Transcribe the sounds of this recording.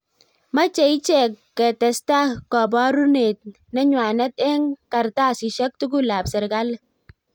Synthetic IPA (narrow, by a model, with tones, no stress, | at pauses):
ma˦t͡ʃɛ˨i˦t͡ʃɛ˦˨kːɛ˨tɛ˨sta˦kɔ˨bɔ˦ɾu˦ne˨t̚ | na˦ɲwa˨nɛ˦tɛ˦ŋka˨ɾta˦˨si˨ʃa˦k̚tu˦ɡ̬u˦la˨psɪ˨ɾɡa˦l